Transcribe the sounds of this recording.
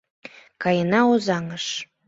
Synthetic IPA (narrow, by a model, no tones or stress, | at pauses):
kɑjənɑozɑŋəʃ